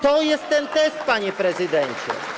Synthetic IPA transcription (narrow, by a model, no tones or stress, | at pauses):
t̪ɔjɛst̪ːɛnt̪ɛst̪̚paɲɛpɾɛzɨd̪ɛɲt͡ɕɛ̰